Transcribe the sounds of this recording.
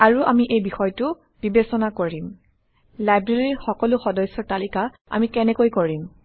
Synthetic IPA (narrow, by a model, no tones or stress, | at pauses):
aɹuʔamiʔejbixɔjtʊ | b̥ibesɔnakoɹim | lajbɹeɹiɹxɔkɔlʊxɔdɔjsːɔɹtalika | a̰mikɛnɛkojkoɹim